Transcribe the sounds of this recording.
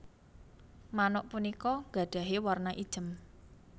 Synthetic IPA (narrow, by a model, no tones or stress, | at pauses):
manɔʔpunikɔŋɡa̤ɖ̥a̤ɦewarnaʔid̥ʒ̥ə̤m